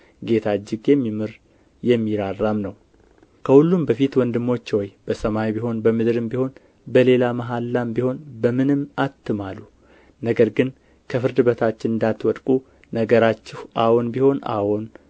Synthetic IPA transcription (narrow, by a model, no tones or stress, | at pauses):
ɡe̞t̪ʰad͡ʒːɪɡjɛmːimɨɾ | jɛmːiɾarːamnəw | kʰəhulːumbəfit̪wɔnd̪ɨmːo̞t͡ʃːwɔjb̥əsəmajbiɦo̞nbəmɨd̪ɾɨmbiho̞n | bəle̞lamaɦalːambiho̞nbəmɨnɨmːat̪ːɨmalːu | nəɡəɾɡɨn | kʰəfɨɾd̪ɨbət̪ʰat͡ʃːɪnɨnd̪at̪wɔd̪kʼu | nəɡəɾat͡ʃːɪhʔawonbiho̞na̰won